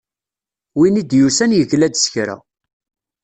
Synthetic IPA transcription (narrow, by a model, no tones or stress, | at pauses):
winid̪jusænjəʝlæd̪sçɾæ̰